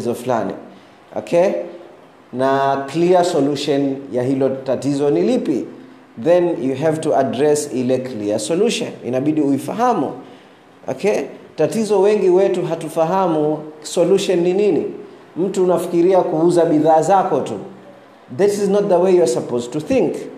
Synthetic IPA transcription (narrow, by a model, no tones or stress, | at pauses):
zɔfla̰nḭ | ɔ̰kʰe | nakliəsɔluʃɔnjaɦilɔtatizɔnilipḭ | ðɛ̃njuɦɛvtuʔadɾɛsilɛkʰliəsɔluʃɔ̰̃nḭnaɓiɗiuifa̰ɦamṵ | ʔɔ̰kʰɛtatizɔwɛŋɡiwɛtuɦatufaɦamusɔluʃɔnːininḭ | m̩tuːnafi̥kiɾiakuuzaɓiðaːzakɔtṵ | ðɛtiznɔt̚ðəwejuasapoztuθĩŋk